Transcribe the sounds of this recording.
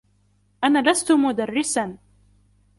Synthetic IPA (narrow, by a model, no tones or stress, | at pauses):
ʔanaːlast̪ʊmʊd̪arːɪsan